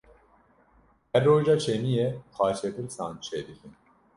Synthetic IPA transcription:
hɛɾːoːʒɑːt͡ʃʰeːnijexɑːʃet̪ɨlsɑ̰ːnt͡ʃʰeːd̪ɨkʰɨn

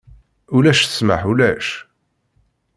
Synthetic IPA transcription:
ʊlæʃθə̥smə̰ħulæʃ

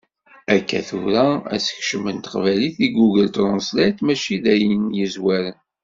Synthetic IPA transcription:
ækːæ̰θuɾææ̰sə̥çʃəmənt̪ə̥qvæliθiɡuɡəlt̪ɾˤʊnslæjt̪mæʃid̪æjənjəzwæɾən

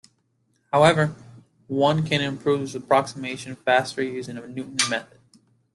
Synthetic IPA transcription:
haʊɛvə˞ | wʌ̃nkʰɨ̃ñɨ̃mpʰɹ̥uvzəpʰɹ̥ɑksəmeɪʃɨ̃nʌv̥bæstɹijʉzɪ̃ŋəmnjʉʔn̩mɛθɨd̥̚

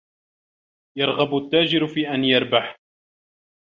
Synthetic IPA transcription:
jɑɾˤɣabʊt̪ːaːd͡ʒɪɾfiːʔanjɑɾˤbaħ

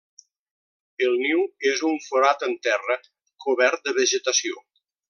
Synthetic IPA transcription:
əlˠniwezuɱfoɾat̪ənt̪ɛrə | kʰoβɛɾt̪̚d̪əβəʒət̪asio

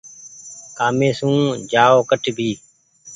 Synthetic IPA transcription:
kaːmẽːsũːd͡ʒaːoːkəʈbʱiː

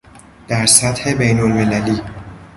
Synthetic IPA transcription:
d̪̥æɾsæt̪he̞bejnolmelæliː

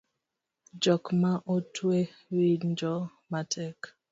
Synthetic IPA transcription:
d͡ʒɔkmaʔotwe | wind͡ʒɔ | matʰɛk

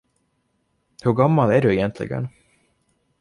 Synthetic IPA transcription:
hɵɾɡamːalæɖɵɛjɛnt̪ʰlɪ̰ɡə̰n

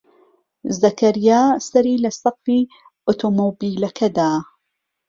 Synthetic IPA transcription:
zɐkɐɾijaːsɐɾiːlɐsɐqfiː | ot̪ʰomobiːlɐkʰɐd̪aː

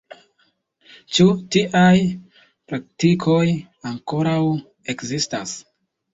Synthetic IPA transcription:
t͡ʃutiʔaj | pɾak̚tikʰo̞j | aŋko̞ɾaw | e̞kzistas

